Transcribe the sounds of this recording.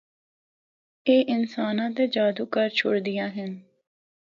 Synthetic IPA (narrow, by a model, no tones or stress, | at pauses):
eːʔɪnsaːnãːt̪eːd͡ʒaːd̪uːkəɾt͡ʃʰʊɽd̪ɪjãːɦɪn